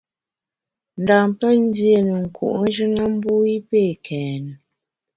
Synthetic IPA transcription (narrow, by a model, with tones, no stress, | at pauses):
n̩˨daː˨m˨pə˦n̩˦dje˦˨nə˨ŋ̩˨kʰṵ˨ʔn˦ʒə˦na˦m˦bu˦i˦pe˦˨kʰɛː˨nə˨